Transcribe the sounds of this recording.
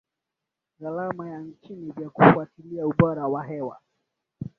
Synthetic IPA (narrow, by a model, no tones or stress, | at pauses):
ɣalamajan̩t͡ʃinivjakufuatiliauɓɔɾawaɦɛwa̰